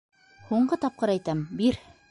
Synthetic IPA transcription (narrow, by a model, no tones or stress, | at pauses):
huɴɢɤt̪ɑp̚qɤɾæjt̪æmbiɾ